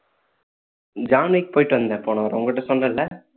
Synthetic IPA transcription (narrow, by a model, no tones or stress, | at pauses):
d͡ʒaːnek̚poːjʈːʋɐnd̪ɐpoːɳaːʋɐɾʊŋɡkɪʈːɐsɔnrɐlːɐ